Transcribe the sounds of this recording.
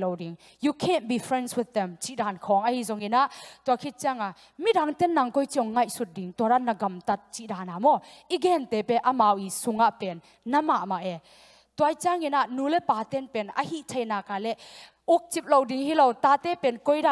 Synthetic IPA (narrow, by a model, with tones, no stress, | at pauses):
lɔ˨wdi˨ŋ | ju˧kʰɛnbi˨fɾɛnswɪ˧ð̚ɛ˨mt͡ʃi˨ʔda˨nkʰɔ˨ŋɐhi˧zɔ˨ŋi˨na˦ʔt̪ua˨kʰi˦t̚t͡ʃia˦ŋa˨ | mi˦tɾa˨ŋt̪ɛ˦nːa˨ŋkɔ˦jt͡ʃiɔ˨ŋːa˦jsu˧t̚di˨ŋt̪ua˨ɾa˦nɐ˨ɡɐ˨mt̪ɐ˧t̚t͡ʃi˦ʔda˨na˨mɔiɡɛ˨nt̪ɛ˨pɛ˧ʔɐma˨wi˨su˨ŋa˧ʔpɛ˨nː | ɐ˦ma˨ʔma˨ʔɛ˨ | tua˧jt͡ʃia˦ŋi˨na˨ʔnu˧lɛ˦pa˨t̪ɛ˦npɛ˨nɐ̰˧hi˦ʔtʰa˨jna˨ka˨lɛ˦ | u˦k̚t͡ʃi˧p̚lo˧wdi˨ŋhi˦lo˨wta˧˨t̪ɛ˦pɛ˨nkɔ˦jda˨